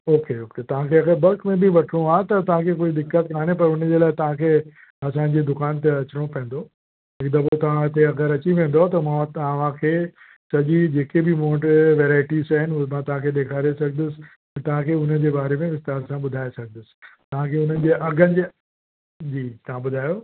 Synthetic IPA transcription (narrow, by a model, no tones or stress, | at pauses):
oːkeoːket̪ɐʋ̤ãkʰeɐɡəbɐlkmẽbɪʋɐʈʰɽ̃õaːet̪ɐt̪ɐʋ̤ãkʰekoːid̪ɪkːət̪̚kaːnepɐɾʊn̤əd͡ʑeːlaːɪt̪ɐʋ̤ãkʰeː | ɐsã̆d͡ʑed̪ʊkaːnt̪̬eɐt͡ɕɪɽ̃opɐ̃ːn̆d̪o | ɦɪkd̪abot̪ɐʋ̤ãɪt̪eɐɡəɾɐt͡ɕiʋẽːn̆d̪ot̪ɐmãʋ̤ãkʰeː | sɐʄid͡ʑeːkebɪmoːʈʋeːɾaːɪʈizaːɦɪnɪumãt̪ɐʋ̤ãkʰeːɗ̪eːkʰaːɾesɐɡʱənd̪ʊsɪ̥̆̃ | t̪ɐʋ̤ãkʰeːʊnəd͡ʑeːbaːɾemẽʋɪst̪aːɾsãɓʊd̪ʱaːesɐɡʱəd̪ʊsɪ̥̆t̪ɐʋ̤ãkʰeʊnənɪ̆d͡ʑeːʔɐɡʱənɪ̆d͡ʑe | d͡ʑiːt̪ɐʋ̤ãɓʊd̪ʱaːjoː